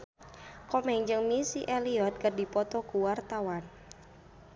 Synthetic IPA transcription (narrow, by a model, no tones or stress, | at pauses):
kɔmɛŋd͡ʒɨŋmisiʔɛliɔt̪̚kərdipɔt̪ɔkuwart̪awan